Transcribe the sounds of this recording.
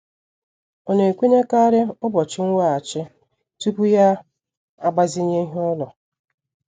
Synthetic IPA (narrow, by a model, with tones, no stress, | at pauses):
o˨ne˨kʷi˦ɲe˦ka˦ɾɪ˦ʊ˦bɔ˨t͡ʃɪ˦ŋ̩ʷ˦a˦a˨t͡ʃɪ˦ | tu˦pu˦ja˦ | a˦ɡ͡ba˦zi˦ɲe˦ɦɪ˦ɔ˦lɔ˨